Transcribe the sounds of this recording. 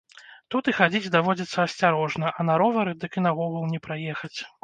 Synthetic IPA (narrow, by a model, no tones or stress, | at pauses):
t̪ut̪ixad͡zʲid͡zʲd̪avɔd͡zʲɐt̪sːɐɐsʲt͡sʲaɾɔʐnɐʔɐnaɾɔvɐɾɨd̪ɨkinɐɣɔɣulˠnʲɛpɾajɛxɐt͡sʲ